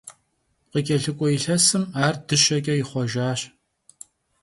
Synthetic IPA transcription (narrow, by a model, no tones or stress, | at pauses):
qəkʲʼɐɬɨkʷʼɔiɬɐsɨmaːrdɨʃɐkʲʼɐjɪχʷɔʒaːɕ